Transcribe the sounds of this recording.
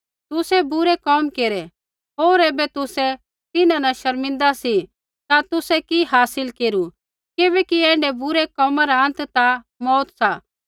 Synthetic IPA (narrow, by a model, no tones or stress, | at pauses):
t̪ʊsɛbʊɾɛkɔːmkeːɾɛ | ɦoːɾeːbɛt̪ʊsɛ | t̪ɪnãnɐʃɐɾmɪ̃nd̪asi | t̪at̪ʊsɛkiɦaːsɪlkeːɾu | kɪbɛːkiɛ̃ːɳɖɛbʊɾɛkɔːmaɾaə̃nt̪t̪a | mɔːt̪saː